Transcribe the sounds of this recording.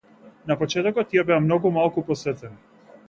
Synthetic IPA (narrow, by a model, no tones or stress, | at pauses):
napɔt͡ʃɛt̪ɔkɔt̪ːijabɛamnɔɡumalˠkupɔsɛt̪ɛn